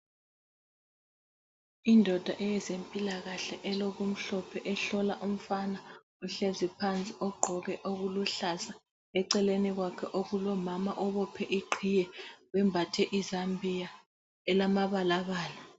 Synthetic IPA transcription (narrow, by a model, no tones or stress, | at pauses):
indʱɔd̥ʱaʔɛjɛzempʼilaɣaɬɛʔɛloɣum̩ɬɔpʰɛʔɛɬɔlaʔum̩fana | uɬezipʰant͡sʼiʔɔɡ͡ǃʱɔɣɛʔoɣuluɬasa | ɛǀɛleniɣwakʰɛʔoɣulɔmamaʔɔβɔpʰɛʔiǃʱʰijɛwɛmbʱatʰɛʔizambʱija | ɛlamaβalaβaːla